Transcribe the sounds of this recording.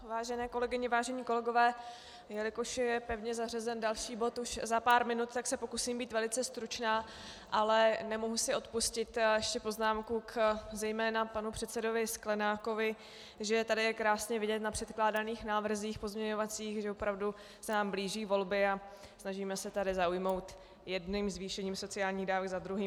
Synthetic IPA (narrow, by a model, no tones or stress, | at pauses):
vaːʒɛnɛːko̞lɛɡɪɲɪvaːʒɛɲiːko̞lɛɡo̞vɛː | jɛlɪkoʃjɛpɛvɲɛzarɛzɛndalʃiːbo̞t̪uʃzapaːɾmɪnut̪t̪ːaksɛpo̞kusiːmbiːt̪vɛlɪt͡sɛst̪ɾut͡ʃnaː | ʔalɛnɛmo̞ɦusɪo̞t̪puscɪt̪jɛʃcɛpo̞znaːmkukzɛjmɛːnapanupr̥ɛt̪sɛdo̞vɪsklɛnaːko̞vɪ | ʒɛt̪adɪjɛkɾaːsɲɛvɪɟɛt̪napr̥ɛt̪klaːdaniːxnaːvr̩ziːxpo̞zmɲɛɲo̞vat͡siːxʒɛopɾavdu | sɛnaːmbliːʒiːvo̞lbɪa | snaʒiːmɛsɛt̪adɪzaujmo̞wt̪ | jɛdnimzviːʃɛɲiːmso̞t͡sɪaːlɲiːɣdaːvɛɡzad̪ɾuɦiː